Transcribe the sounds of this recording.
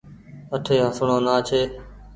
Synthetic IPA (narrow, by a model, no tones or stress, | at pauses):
əʈʰeːɦəsɳõːnaːt͡ʃʰeː